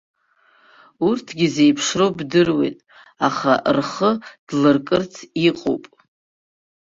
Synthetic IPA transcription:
urtʰɡʲize̞jpʰʂrowbdɨrwe̞̰jtʼ | aχa̰rχəd̥lɨrkʼɨrt͡sʰiqʼo̰wpʼ

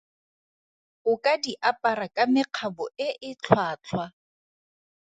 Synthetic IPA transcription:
ʊkʼadiʔapʼaɾakʼamɪq͡χʰabʊɪʔɪt͡ɬʰwaːt͡ɬʰwa

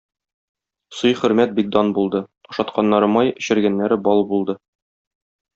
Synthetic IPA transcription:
sojχɵ̆ɾmæt̪̚bik̚d̪ɒnbulˠd̪ɤŏʃɑt̪qɑnːɑɾɤmɑjɵ̆ɕɘ̆ɾɡænːæɾɘbɒlˠbulˠd̪ɤ

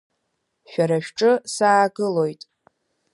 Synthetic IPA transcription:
ʃᶣaɾaʃᶣʈ͡ʂʼɨsaːɡɨlo̞jtʼ

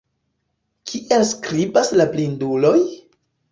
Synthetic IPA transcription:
kʰiʔe̞lskɾibaslaplindulo̞j

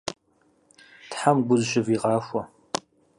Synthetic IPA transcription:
tħamɡʷʊzʃɪviʁɑːʃʷɐ

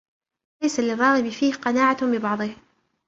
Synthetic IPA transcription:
lajsalɪrˤːɑːɣɪbɪfiːhqɑnaːʕabɪbɑʕðˤɨh

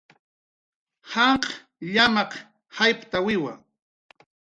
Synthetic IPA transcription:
hɑɴq | ʎamɑq | hajpt̪awɪwa̰

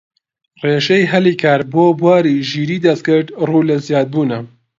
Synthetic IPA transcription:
reːʃejɦɐliːkʰaːɾboːbwaːɾiːʒiːɾiːd̪ɐst̪̚kɨɾd̪ruːlɐzjaːd̪̚buːnɐ

